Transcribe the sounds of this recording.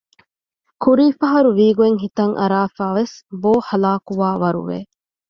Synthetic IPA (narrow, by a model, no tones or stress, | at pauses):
kʰuɾiːfɐɦɐɾuʋiːɡueŋɦit̪ɐŋʔɐ̰ɾaːfæːʋesboːhɐlaːkuʋaːʋɐɾṵʋḛː